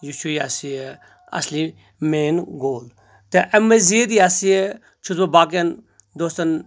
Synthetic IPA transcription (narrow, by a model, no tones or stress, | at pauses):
jut͡ʃʰujasie | ɐ̰sli | meːnɡoːl | t̪eʔɐmːezid̪iasije | t͡ʃʰut̪bɐbaːk̬ɐn | d̪oːst̪ɐn